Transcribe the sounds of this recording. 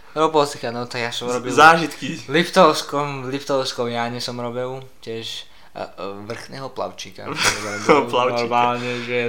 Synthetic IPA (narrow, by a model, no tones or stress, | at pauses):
ɾɔbɔlsikanɔt̪aɡjasɔmɾɔbizaːʒit̪kilipt̪ɔʊskɔmlipt̪ɔʊskɔʊjaɲɪɛsɔmɾɔbɛwcɪɛʃ | ʋr̩xnɛɦɔpla̰ʊt͡ʃiːka̰dabɛɛɔplaʊnɔɾmaːlɲɛʒɛ